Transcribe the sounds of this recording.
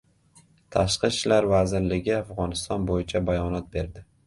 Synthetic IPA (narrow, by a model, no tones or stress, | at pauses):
t̪ʰaʃqɨʃt͡ʃlaɾvazɪɾlɪɡʲɪafʁɒnɪst̪ɒnbojɪt͡ʃʰabajɒnɒt̪̚be̞ɾd̪ɪ